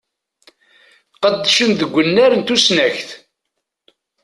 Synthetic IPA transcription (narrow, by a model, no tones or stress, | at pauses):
qəd̪ːæʃənðəɡʷːənːæɾənt̪usnæçθ